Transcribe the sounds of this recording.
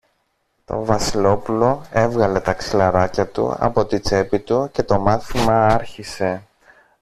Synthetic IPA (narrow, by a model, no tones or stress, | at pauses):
t̪o̞̰vɐsilo̞pulo̞e̞vɣɐle̞t̪ɐksilɐɾɐcɐt̪ṵɐ̰po̞t̪it͡se̞pit̪uce̞t̪o̞mɐθimɐɐɾçise̞